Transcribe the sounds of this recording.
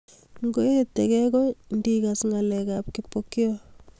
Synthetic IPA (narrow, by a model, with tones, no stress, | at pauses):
ŋɡo˦e˦tːekɛkɔndi˦ka˨sŋa˨lɛkap̚ki˨pːoki˦o